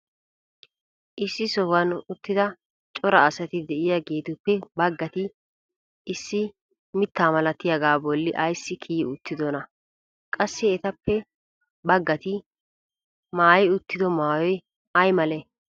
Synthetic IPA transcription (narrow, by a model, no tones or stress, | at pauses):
ʔɪsːɪsɔhɐnʊt̪ːɪd̪ɐ | t͡ʃʼɔɾɐːsɐt̪ɪd̪ɛʔɪjaɡeːt̪ʊpːɛbɐɡːɐt̪ɪ | ɪsːɪ | mɪt̪ːaːmɐlɐt̪ːɪjɐɡaːbɔlːɪʔɐjsːɪkʰiːʊt̪ːɪd̪ɔnɐ | kʼɐsːɪɛt̪ɐpːɛ | bɐɡːɐt̪ɪ | maːjɪʊt̪ːɪd̪ɔmaːwɔj | ɐjmɐlɛ